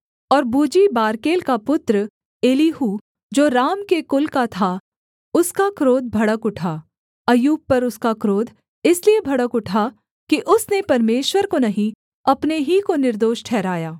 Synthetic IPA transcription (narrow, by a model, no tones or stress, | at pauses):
ɔːɾbuːd͡ʒibaːɾkeːlkapʊt̪ɾə | eːliɦuː | d͡ʒoːɾaːmkekʊlkat̪ʰa | ʊskakɾoːd̪̚bʱɐɽəkʊʈʰaː | ɐjuːb̚pɐɾʊskakɾoːd̪ʱ | ɪsliebʱɐɽəkʊʈʰa | kiʔʊsnepɐɾmeːʃwəɾkonɐɦĩ | ɐpneɦikonɪɾd̪oːʃʈʰɛːɾaːjaː